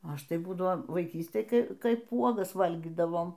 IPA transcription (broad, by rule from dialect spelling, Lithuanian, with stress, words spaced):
ˈɐʃ tɐɪ ˈbuːdɐʋoː ʋɐɪˈkʲiːsʲtʲeːj ˈkɐɪ ˈkɐɪp ˈuɔɡɐs ˈʋɐlʲɡʲiːdɐʋoːm